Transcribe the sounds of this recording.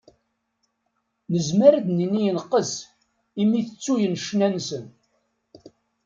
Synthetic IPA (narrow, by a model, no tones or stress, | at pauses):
nəzməɾæd̪ninijənqːəs | imiθət͡sːujənʃnænsən